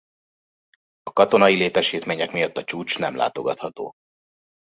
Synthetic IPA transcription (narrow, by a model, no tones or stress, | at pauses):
ɒkɒt̪o̞nɒjileːt̪ɛʃiːt̪meːɲɛkmijɒt̪ːɒt͡ʃuːt͡ʃnɛ̰mlʔa̰ːt̪o̞ɡɒt̪hɒt̪o̰ː